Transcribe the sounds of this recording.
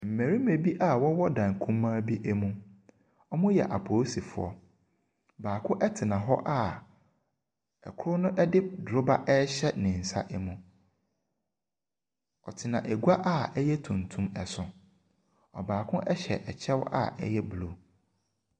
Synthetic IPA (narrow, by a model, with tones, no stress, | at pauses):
m̩˨mæ̃˨ɾi˦me˨bi˦ʔa˦˨wɔ˦wɔ˦dã˨ŋ˨kʰũ˦mːãː˦bi˦ʔɛ˦mũ˦ | ɔ˦mʊ̃˦jɛ̰˨ʔa˨pʰoː˨˦si˨fʊ̰˨ɔ̰˦ | baː˨kʰʊ̃˦ʔɛ˦tʰɪ˨nã˨ɦɔ˦ʔa˦˨ | ɛ̰˨kʰʊ˦ɾʊ˦nʊ̃˦ʔɛ˦dɪ˦dɾʊ˦ba˦ʔɛ˦ɕɛ˦nɪ̃˨n̩˨sa̰˦ʔɛ˦mũ˨ | ɔ̰˨tʰɪ˨nã˨ʔɛ˨ɡʷa˦ʔa˦˨ɛ˦jɛ˦tʰũ˨ntʰũ˦mɛ˨sʊ̃˨ | ɔ̰˨baː˨kʰʊ̃˦ʔɛ˦ɕɛ̰˨ʔɛ˨t͡ɕʰɛ˦wa̰˦˨ɛ̰˦jɛ˦blo˨